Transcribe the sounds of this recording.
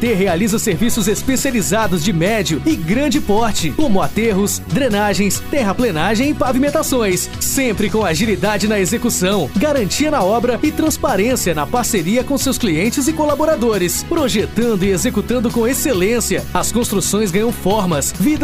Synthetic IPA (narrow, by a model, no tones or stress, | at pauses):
t̪eɦealizɐseɾvisʊzespesializad̪ʊzd͡ʒɪmɛd͡ʒjʊɪɡɾɐ̃d͡ʒɪpɔɾt͡ʃɪkõmʊat̪eɦʊs | d̪ɾẽnaʒẽj̃st̪ɛɦɐplẽnaʒẽj̃ɪpavimẽnt̪asõj̃sː | ẽpɾɪkõw̃aʒilid̪ad͡ʒɪnɐezekusɐ̃w̃ɡaɾɐ̃nt͡ʃiɐnɐɔbɾɐɪt̪ɾɐ̃spaɾẽsiɐnɐpaɾseɾiɐkõʊsewskliẽnt͡ʃɪzɪkolaboɾad̪oɾɪspɾoʒet̪ɐ̃nd̪ʊɪezekut̪ɐ̃nd̪ʊkõw̃eselẽsiɐɐskõst̪ɾusõj̃zɡɐ̃ɲ̃õw̃fɔɾmɐsvid̪